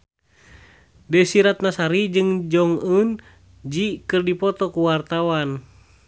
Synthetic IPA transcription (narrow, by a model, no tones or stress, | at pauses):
dɛsiɾat̪̚nasaɾid͡ʒɨŋd͡ʒɔŋun | d͡ʒikɨrdipɔt̪ɔkuwart̪awan